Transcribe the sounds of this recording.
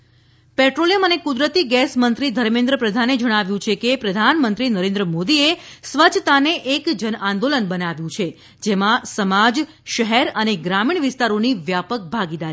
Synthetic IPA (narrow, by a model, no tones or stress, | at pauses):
pɛʈɾolijəmənekud̪ɾət̪iɡɛsmənt̪ɾid̪ʱəɾmẽnd̪ɾəpɾəd̪ʱaned͡ʒəɽ̃aʋjũt͡ʃʰekepɾəd̪ʱanmənt̪ɾinəɾẽnd̪ɾəmod̪iesʋət͡ʃʰt̪aneʔːkd͡ʒənãnd̪olənbənaʋjũt͡ʃʰe | d͡ʒemãsəmad͡ʒ | ʃəɦɛɾəneɡɾamiɳ̃ʋɪst̪aɾoniʋjapək̚bʱaɡid̪aɾ